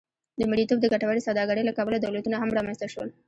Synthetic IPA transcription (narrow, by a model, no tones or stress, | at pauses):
d̪əmɪɽit̪ob̚d̪əɡaʈawaɽisawd̪ɑɡaɽəjlakɑbəlad̪awlat̪unaɦamɾɑmanst̪aʃwə̰l